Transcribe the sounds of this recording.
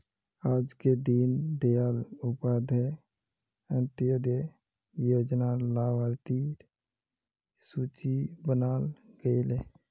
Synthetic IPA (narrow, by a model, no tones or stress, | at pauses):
aːd͡ʒked̪ind̪ealʊpaːd̪ʱe | ənt̪ijod̪e | joːd͡ʒnalaʋəɾt̪iːɾ | suːt͡ʃibənaːlɡəɪle